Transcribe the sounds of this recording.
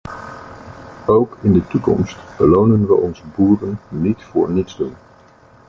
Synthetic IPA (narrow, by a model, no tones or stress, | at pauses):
owkɪndətukɔ̰mstb̥əlownənʋəʔɔnzəbuːrənːitfʊ̰ːɹnitzdun